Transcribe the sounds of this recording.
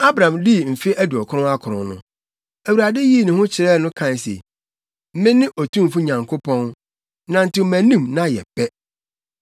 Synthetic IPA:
a˦bɾã˨mdi˦m̩˨fɪ˦ʔæ˦du˨ɔ˨kʰʊ˦ɾʊ̃˦a˦kʰʊ˨ɾʊ̃˨nʊ̰̃˦˨ | æ˨wuɾa˨dɛ˦ji˦˨nɪ̃˨hʊ̃˦t͡ɕʰɪ˨ɾɛ˦˨nʊ̃˦kʰã˨sɛ̰˨ | m̩˦mɪ̃˦nɪ̃˦ʔɔ˨tʰũ˦m˨fʊ˦ɲã˨ŋkʰo˦pʰɔ̃˦n | nã˨n̩˨tʰɪ˦mæ̃˨nĩ˦mnã˦jɛ̰˨pɛ˦

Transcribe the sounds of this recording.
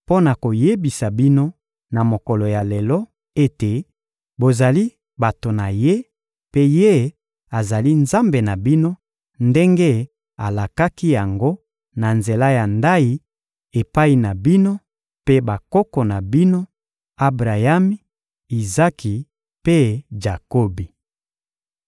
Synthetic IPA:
po˦na˨ko˨je˦bi˨sa˨bi˦no˦ | na˨mo˨kɔ˨lo˨ja˨le˨lɔ˦ | e˦te˨ | bo˨za˨li˦ | ba˨to˨na˨je˦ | pe˦je˦ | a˨za˨li˦nza˦mbe˨na˨bi˦no˦ | nde˦ŋɡe˦ | a˨la˨ka˦ki˦ja˨ŋɡo˦ | na˨nze˨la˦ja˨nda˦i˦ | e˨pa˦i˨na˨bi˦no˦ | pe˦ba˨kɔ˦kɔ˨na˨bi˦no˦ | a˦bʁa˨ja˦mi˦ | i˨za˦ki˨ | pe˦d͡ʒa˨ko˦bi˨

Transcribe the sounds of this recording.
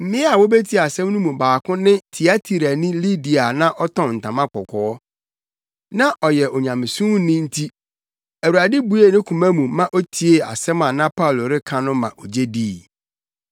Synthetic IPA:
m̩˦˨mɪ̃˦a˨wo˦be˦tʰi˦a˨sɛ̃˦m˦nʊ̃˦mũ˨baː˨kʰʊ̃˦nɪ̃˦tʰi˨a˦tʰi˨ɾa˨nĩ˦li˦di˨a˨nã˦ʔɔ˦tʰɔ̃˨n̩˨tʰã˨mã˦kɔ˨kʰɔ˨ɔ˦ | nã˦ʔɔ˨jɛ˨ʔɔ˨ɲã˨mɪ̃˨sũ˦nɪ̃˦n̩˦tʰi˦ | æ˨wu˨ɾa˨dɪ˦bu˨˦e˨˦nɪ̃˦kʰũ˨mæ̃˦mũ˨mã˦ʔo˦tʰi˦e˨a̰˨sɛ˦mã˨nã˦pʰa˦˨lo˨ɾɪ˦kʰã˦nʊ̃˦mã̰˨ʔɔ˨d͡ʑe˦diː˦˨

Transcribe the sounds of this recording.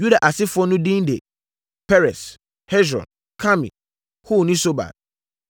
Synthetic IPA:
ju˦da˨ʔa˨sɪ˦fʊ˦ɔ˦nʊ̃˦dĩ˦ndḛ˨ | pʰɛ˦ɾɛ˨s | hɛ˦sɾɔ̰̃˨n | kʰa˦mḭ̃˨ | hu˦˨nĩ˦so˦ba̰˨d̚

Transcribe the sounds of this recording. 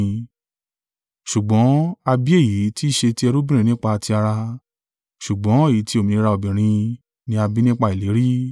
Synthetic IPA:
ʃu˨ɡ͡bɔ̃˨˦a˧bi˦e˦˨ji˨˦ti˦ʃe˧ti˦ɛ˧ɾu˦bĩ˦ɾ̃ĩ˧˦nĩ˦k͡pa˧a˧ti˧a˧ɾa˧ | ʃu˨ɡ͡bɔ̃˨˦e˦˨ji˨˦ti˦o˦˨mĩ˨˧i˧˦ɾa˧o˨bĩ˨ɾ̃ĩ˧ | nĩ˧˦a˧bi˦nĩ˦k͡pa˧i˨le˨˦ɾi˦

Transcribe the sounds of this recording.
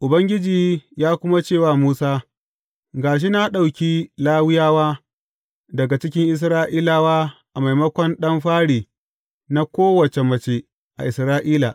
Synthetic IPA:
ʔʊ˨bɐ˦ŋɡʲɪ˦d͡ʒiː˨jaː˦kʷʊ˦ma˦t͡ʃeː˦˨waː˦muː˦saː˦ | ɡaː˨ʃ̬i˦na˦ɗa˨wkʲiː˦laː˦wɪ˦jaː˦waː˦ | dɐ˨ɡa˨t͡ʃɪ˦kʲɪ˦ŋʔɪ˦s̬ɾaː˦ʔiː˦laː˨waː˦ʔa˨ma˨jmɐ˦kʷɔ˦nɗɐ˦mɸaː˦ɽiː˨ | na˦kʷoː˦wɐ˨t͡ʃe˨mɐ˨t͡ʃe˦ | ʔa̰˨ʔɪ˨sɾaː˦ʔiː˦laː˨

